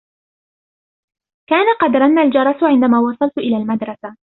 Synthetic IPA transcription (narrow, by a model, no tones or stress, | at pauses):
kaːnaqɑd̪ɾˤɑnːald͡ʒɑɾˤɑsʕɪnd̪amaːwɑsˤɑlt̪ʔɪlaːlmad̪ɾˤɑsa